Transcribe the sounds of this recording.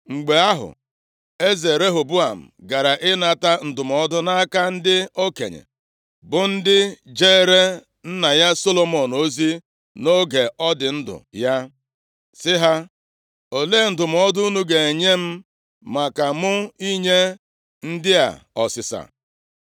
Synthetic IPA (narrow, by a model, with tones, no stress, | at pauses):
ŋ͡m̩˨ɡ͡be˨a˦ɦʊ̰˨ | e˦ze˨ɾe˦ɦo˨bu˦a˨m̩˨ɡa˨ɾa˨ʔɪ˦na˨ta˦n̩˨dʊ˨mɔ˦dʊ˦na˦ka˦n̩˦dɪ˦o˦kḛ˨ɲḛ˨ | bʊ˨n̩˦dɪ˦d͡ʒeː˦ɾe˦ | n̩˦na˨ja˦so˦lo˨mɔ˨no˦zi˦ | no˦ɡe˨ɔ˦dɪ˨n̩˦dʊ̰˨ja˦ | sɪ˦ɦa˦ | o˨leː˦˨n̩˨dʊ˨m˨ɔ˦dʊ˦u˦nu˦ɡe˨e˨ɲe˦m̩˦ | ma˨ka˨mʊ˦i˦ɲe˦ | n̩˦dɪ˦a̰˨ɔ̰˨sɪ˨sa̰˨